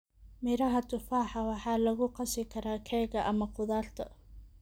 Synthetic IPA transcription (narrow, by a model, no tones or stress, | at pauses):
mɪɾɐɦɐt̪ʰʊfaːħɑwɑħɑːlɐɣʊqɑsɪkʰɐɾaːkʰɛːɣɐʔɐmɐqʊðaːrt̪ʰɐ̰